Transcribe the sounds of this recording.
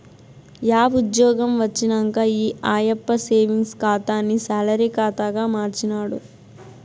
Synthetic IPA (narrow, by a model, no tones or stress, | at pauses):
jaːʋud̪jɔːɡɐmʋɐt͡ʃːinɐŋkaiːʔaːjɐpːɐseːʋiŋɡskaːt̪aːnːisalɐɾikaːt̪aɡaːmaːɾt͡ʃinaːɽu